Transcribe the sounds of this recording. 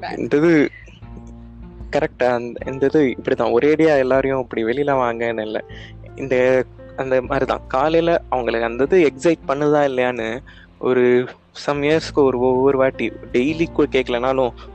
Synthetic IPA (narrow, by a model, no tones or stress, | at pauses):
ɛ̰nd̪ɐðɯ | kɐɾɛk̚ʈaɐnd̪ɛ̰nd̪ɐðɯɪpːɐɽit̪ãːɔɾeːɽɪjaːɛlːaːɾɐjʊ̃ɐpːɐɽiʋɛlɪjɪlɐʋaːŋɡɐnɯɪlːɐ̰ | ɪnd̪ɐ | ɐnd̪ɐmaːd̪ɾit̪ã̰ːkaːlɐjlɐɐʋɐŋɡɐɭɯkːɐnd̪ɐðɯɛksɐɪʈ̚pɐɳːɐððãːɪlːɐjaːnɯ | ɔɾɯ | sɐmeːɾskːɯɔɾɯɔʋɐɾɯʋaːʈːiɖɛɪlikːʊɽkeːʈkːɐɭɐnaːlʊ̃